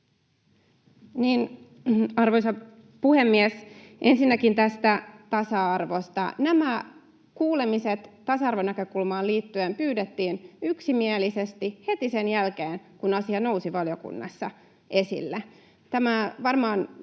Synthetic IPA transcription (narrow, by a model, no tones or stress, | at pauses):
niːn | ɑrʋo̞jsɑ | puhe̞mːiesʔe̞nsinːækint̪æst̪æt̪ɑsɑɑrʋo̞st̪ɑ̰næmæ | kuːlemiset̪ːɑsɑɑrʋonækø̞kulmɑːliːt̪ːyempyːdet̪ːiːnyksimielisest̪ihe̞t̪isenjælkeːnkunɑsiɑno̞usiʋɑljo̞kṵnːɑ̰sːɑ | ʔe̞sḭlːe | t̪æmæʋɑrmɑːn